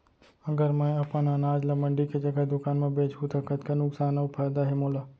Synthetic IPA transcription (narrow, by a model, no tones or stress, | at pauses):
ɐɡəɾmɛ̃ɐpananaːd͡ʒlɐməɳɖiked͡ʒɐɡad̪ʊkaːnmẽbeːt͡ʃut̪ɐkət̪kanʊksaːnaʊpaːd̪aɦemoːla